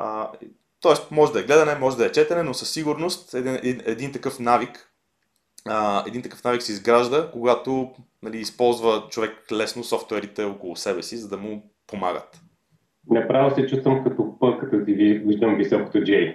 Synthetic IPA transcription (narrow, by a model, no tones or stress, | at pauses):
ə | t̪ɔɛst̪mɔʒɛd̪ɐɛɡlɛd̪ɐnɛmɔʒɛd̪ɐɛt͡ʃɛt̪ɛnɛnosəsːiɡuɾnost̪ɛd̪iɛinɛd̪int̪ɐkɤfnavik | əɛ̰d̪int̪ɐkə̥fnaviksɛizɡɾaʒd̪əkoɡat̪onɐliːspɔlˠzvət͡ʃovɛklɛsnosɔft̪ʊɛɾit̪ɛokolˠʊsɛbɛsizɐd̪ɐmʊ | poma̰ɡə̰t̪ | nɛpɾavəsɛt͡ʃust̪vəmkɐt̪ɔpɤlˠkət̪əziviviʒd̪əmvisɔko̥t̪od͡ʒɛj